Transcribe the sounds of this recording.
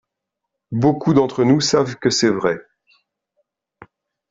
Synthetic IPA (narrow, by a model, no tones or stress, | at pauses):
bokud̪ɑ̃t̪χənusavkəsɛvʁɛ